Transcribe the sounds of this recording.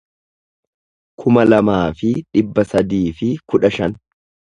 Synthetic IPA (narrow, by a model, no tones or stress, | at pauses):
kʰʊmɐlɐmaːfɪᶑɪbːɐsɐd̪iːfɪkʊᶑɐʃɐn